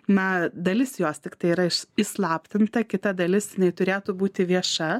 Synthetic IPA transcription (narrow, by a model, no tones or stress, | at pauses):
nɐd̪ɐlʲɪsjoːst̪ʲɪkt̪ɐɪiːɾɐɪʃɪslˠɑːpʲt̪ʲɪnt̪ɐkʲɪt̪ɐd̪ɐlʲɪsjɪnɐɪt̪ʊɾʲeːt̪ʊbuːt̪ʲɪʋʲiɛʃɐ